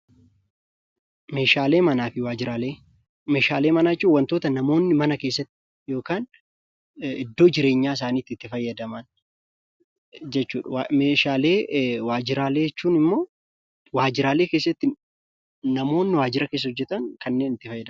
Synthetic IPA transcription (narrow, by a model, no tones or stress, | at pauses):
me̞ːʃaːle̞ːmɐnaːfɪwaːd͡ʒɪɾaːleː | me̞ːʃaːleːmɐnat͡ʃːuːwɐnt̪o̞ːt̪ɐnɐmo̞ːnːɪmɐnɐke̞ːsːɐt̪ːɪ̥ | jo̞ːkaːn | ɪd̪ːo̞ːd͡ʒɪɾe̞ːɲːaːɪs̬aːniːt̪ːɪt̪ːɪfɐjːɐd̪ɐmɐn | d͡ʒɛt͡ʃːuːᶑɐmeːʃaːle̞ːwaːd͡ʒɪɾaːleːd͡ʒɛt͡ʃːuːnɪmːo̞ː | waːd͡ʒɪɾaːle̞ːkeːsːɐt̪ːɪ | nɐmo̞ːnːɪwaːd͡ʒɪɾɐke̞ːsːɐhɔd͡ʒːɛt̪ɐŋkɐnːeːnɪt̪ːɪfɐjːɐd̪ɐm